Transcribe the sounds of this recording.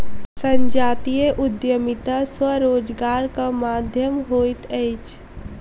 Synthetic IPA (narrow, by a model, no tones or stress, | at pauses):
sə̃ɲd͡ʒaːt̪ijeʔʊd̪jəmɪt̪aswəɾoːd͡ʒɡaːɾkamaːd̪ʱjəmɦoːit̪ɛɪt͡ʃ